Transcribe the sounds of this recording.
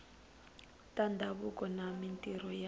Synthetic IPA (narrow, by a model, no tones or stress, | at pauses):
tʼandʱaβukʼɔnamintʼiɾɔja